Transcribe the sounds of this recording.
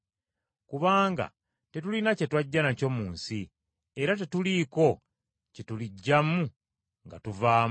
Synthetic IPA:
kuβaːŋɡa̰ | te̞tulinace̞twaɟːanaco̞muːnsi | eɾate̞tuliko̞ | cetuliɟːamu | ŋɡa̰tuvaːm

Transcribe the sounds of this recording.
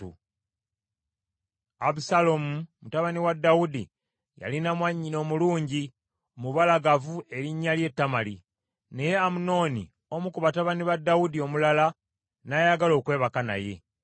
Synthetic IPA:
ṵ | aβusalo̞mumutaβaniwadːawudḭ | ja̰linamwaɲːino̞ːmuluːɲɟi | omuβalaɡavue̞ɾiɲːalje̞tːamali | ne̞je̞amuno̞ːnḭ | omukuβataβaniβadːawudio̞mulala | najaɡalo̞ːkwe̞ːβakana̰je̞

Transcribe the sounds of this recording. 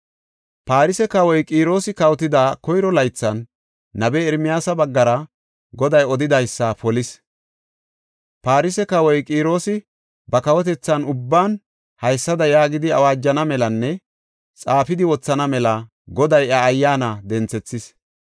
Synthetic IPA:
paːɾɪsɛkɐwɔjkʼiːɾo̞ːsɪkɐwɔt̪ɪd̪aːkɔjɾɔlɐjt͡sːɐnː | ɐbɛːɾmɪjaːsɐbɐɡːɐɾɐ | ɡɔd̪ɐjɔd̪ɪd̪ɐjsːɐfpɔlɪs | paːɾɪsɛkɐwɔjkʼiːɾo̞ːsɪ | bɐkɐwɔt̪̬ɛt͡sːɐnʊbːaːn | hɐjsːɐd̪ɐjaːɡɪd̪ɪɐwaːd͡ʒːɐnɐmɛlɐnːɛ | t͡sʼaːfɪd̪ɪwɔt͡sːɐnɐmɛlɐ | ɡɔd̪ɐjɐːjːaːnɐd̪ɛnt͡sːɛt͡sːɪs

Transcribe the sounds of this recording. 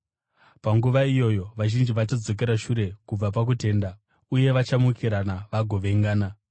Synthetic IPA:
paŋɡuʋaijo̞ːjo̞ʋaʒind͡ʒiʋat͡ʃad͡zo̞k̬e̞ɾaʃuɾe̞kub͡vap̬ak̬ute̞ːnda | uje̞ʋat͡ʃamukʰiɾanaʋaɡʱo̞ʋe̞ŋɡaːna

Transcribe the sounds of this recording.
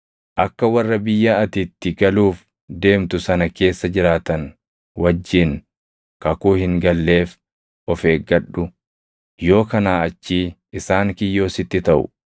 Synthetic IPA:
ʔɐkːɐwɐrːɐbɪjːɐɐt̪it̪ːɪɡɐluːf | d̪e̞ːmt̪ʊsɐnɐke̞ːsːɐd͡ʒɪɾaːt̪ɐn | wɐd͡ʒːin | kɐkuːhɪŋɡɐlːe̞ːf | ʔɔfe̞ːɡɐᶑːʊ | jo̞ːkɐnaːɐt͡ʃːiːʔɪsaːŋkɪjːo̞ːsɪt̪ːɪt̪ɐʔʊ̰

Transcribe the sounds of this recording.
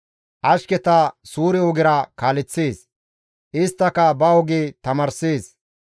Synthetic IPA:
ʔɐʃkɛt̪ɐsuːɾɪɔɡɪɾɐkaːlɪt͡sːeːs | ʔɪst̪ːɐkɐbɐɔɡet̪ɐmɐɾseːs

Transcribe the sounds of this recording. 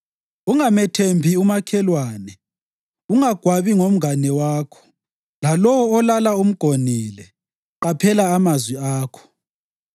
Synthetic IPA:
uŋamɛtʰembʱiumakʰɛlwaːnɛ | uŋaɡ̥ʱwaβiŋom̩ɡanɛwaːkʰɔ̥ | lalɔwɔːlalaum̩ɡ̥ʱonilɛ | ǃapʰɛlaːmazwiaːkʰɔ̥

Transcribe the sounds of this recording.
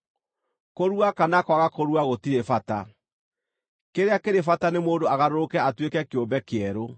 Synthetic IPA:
koɾuakanakwaɣakoɾuaɣotiɾefata | keɾeakeɾefatanemoːndoaɣaɾoɾokɛatwekɛkeombɛkeɛɾo

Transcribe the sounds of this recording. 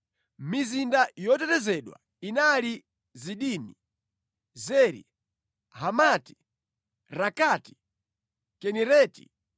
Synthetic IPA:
mizindajɔtɛtɛzɛɗwa̰ | inali | ziɗini | zɛɾḭ | ɦamati̥ | ɾakati̥ | kɛnɛɾɛːti̥̰

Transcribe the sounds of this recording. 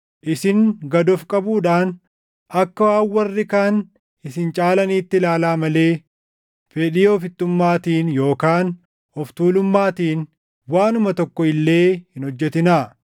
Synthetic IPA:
ʔɪsɪŋɡɐd̪ɔfkʼɐbuːᶑaːn | ʔɐkːɐwaːwwːɐrːɪkaːn | ɪsɪnt͡ʃʼaːlɐniːt̪ːɪlaːlaːmɐle̞ː | fɛᶑɪːɔfɪt̪ːʊmːaːt̪iːnjo̞ːkaːn | ɔft̪uːlʊmːaːt̪iːn | waːnʊmɐt̪ɔkːɔɪlːe̞ːhɪnhɔd͡ʒːɛt̪ɪnaː

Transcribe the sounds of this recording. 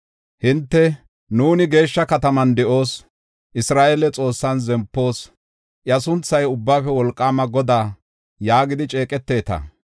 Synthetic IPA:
hɪnt̪ːɛ | nuːnɪɡe̞ːʃːɐkɐt̪ɐmɐnd̪ɛʔo̞ːs | ʔɪsɾaːʔelɛt͡sʼo̞ːsːɐnzɛmpːo̞ːs | ʔɪɐsʊnt͡sːɐjʊbːaːfɛwɔlkʼːaːmɐɡɔd̪aː | jaːɡɪd̪ɪt͡ʃʼe̞ːkʼɛt̪ːe̞ːt̪ɐ̰

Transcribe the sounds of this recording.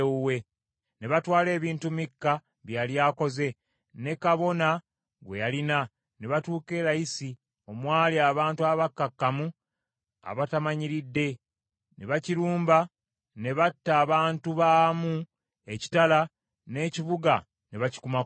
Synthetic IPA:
we̞ | ne̞βatwaːle̞ːβiːntumikːa | βjaljaːko̞ze̞ | ne̞kaβo̞na | ɡwe̞jalina | ne̞βatuːke̞ːɾajisi | o̞mwaːliaːβaːntuaβakːakːamu | a̰βatamaɲiɾidːe̞ | neβaciɾuːmba | ne̞βatːaːβaːntuβaːmu | e̞ci̥tala | ne̞ːciβuɡa | ne̞βaci̥kuma

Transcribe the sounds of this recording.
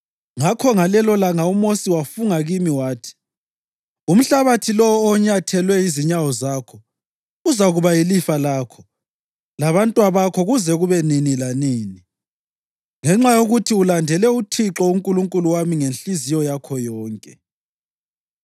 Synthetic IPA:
ŋakʰɔŋalɛlɔlaŋaumosiwafuŋaɣimiwaːtʰi̥ | um̩ɬaβatʰilɔɔːɲatʰɛlwɛiziɲawɔzaːkʰɔ | uzaɣuβajilifalaːkʰɔ | laβantʼwaβakʰɔɣuzɛɣuβɛninilaniːni | ŋɛŋ͡ǁajoɣutʰiulandʱɛlɛutʰiǁɔuŋkʼuluŋkʼuluwamiŋenɬizijɔjakʰɔjɔːŋkʼɛ

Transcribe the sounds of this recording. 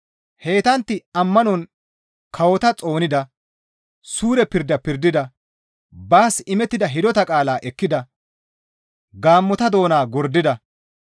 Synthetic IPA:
he̞ːt̪ɐnt̪ːɪɐmːɐnɔn | kʰɐwɔt̪ɐt͡sʼo̞ːnɪd̪ɐ | suːɾɛpɪɾd̪ɐpɪɾd̪ɪd̪ɐ | baːsɪmɛt̪ːɪd̪ɐɦɪd̪ɔt̪ɐkʼaːlaːʔɛkːɪd̪ɐ | ɡaːmːɔt̪ɐd̪o̞ːnaːɡɔɾd̪ɪd̪ɐ

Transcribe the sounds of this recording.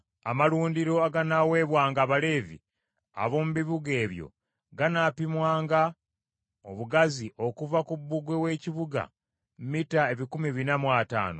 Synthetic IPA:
amaluːndiɾo̞aɡanawe̞ːβwaːŋɡaːβale̞ːvḭ | a̰βo̞muβiβuɡe̞ːβjo̞̰ | ɡanaːpimwaːŋɡa | oβuɡaziʔo̞kuvakubːuɡwe̞we̞ːciβuɡa̰ | mmitae̞βikumiβinamwata̰ːno

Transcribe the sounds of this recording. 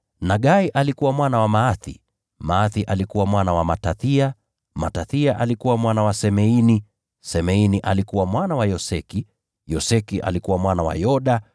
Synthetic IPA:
naɠaiʔalikuwamwanawamaaθḭ | maaθiʔalikuwamwanawamataθia | ma̰taθiaʔalikuwamwanawasɛmɛini | sɛmɛiniʔalikuwamwanawajɔsɛki | jɔsɛkiʔa̰likuwamwanawa̰jɔɗa

